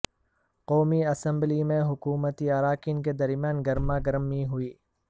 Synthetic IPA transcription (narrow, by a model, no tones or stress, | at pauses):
qoːmiɐsə̃mblimẽɦʊkuːmət̪iaɾaːkɪnk̬ed̪ɐɾmijaːnɡɐɾmãːɡɐɾəmiɦʊiː